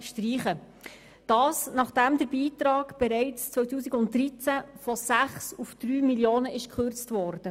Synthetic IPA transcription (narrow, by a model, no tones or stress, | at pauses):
ʃtriːχə | d̥ɑːsnɑχd̥æmd̪əɾbiːtɾɑːɡb̥ɛɾɛɪt͡st͡sʋœɥtuːsiɡʊnttːɾit͡sæfɔsæχsufd̥ɾyːmiljoːnəʔɪʃkχørt͡stvɔːɾd̥ə